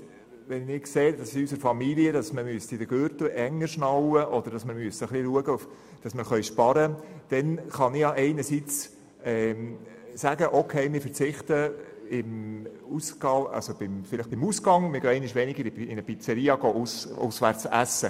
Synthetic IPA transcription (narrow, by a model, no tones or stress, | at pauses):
ʋɛnɪkseːd̥ɑsiysəɾfɑmiliədɑsməmyəst̪ɪdəɡ̥øɾt̪l̩ʔɛŋːəɾʃnɑwəʔɔd̥̪əɾd̥ɑsməɾmyəsəəχliluəɡəuf | d̥ɑsməɾχœʏʃpɑɾəd̥ɛnχɑnɪjɑʔɛɪnəɾsit͡s | ɛː | sæɡəʔokʰeɪmɪfəɾt͡sɪχt̪ə | ɪmusɡɑɑ̰lsob̥ɪmfɪlɪχb̥ɪmusɡɑŋmɪɾɡ̥øːɛɪnɪʃʋɛnɪɡəɾiɪnəpit͡səɾiːɑɡoːʔusʊ̰sʋæɾt͡sæsːə